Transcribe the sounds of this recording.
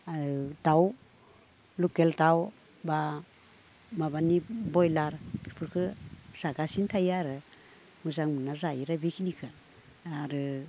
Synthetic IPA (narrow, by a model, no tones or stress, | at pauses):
aɾɯdaw | lukeltaw | ba | mabanibɔjlaɾpʰi̥pʰɯɾkʰɯsaɡasintʰajaɾɯ | mɯzaŋmɯnazajiɾabikʰinikʰɯ | aɾɯ